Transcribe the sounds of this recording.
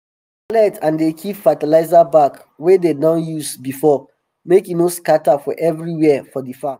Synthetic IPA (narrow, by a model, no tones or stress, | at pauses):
alɛtʰãndekʰifatalaɪzabak | wedenãʊjusbifɔ | mekinoskatafɔʔɛvɹiwɛfɔdifa